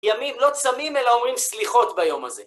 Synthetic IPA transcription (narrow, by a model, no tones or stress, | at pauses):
jamimlo̞t͡samime̞laomʁimsliχo̞t̪bajo̞ma̰ze̞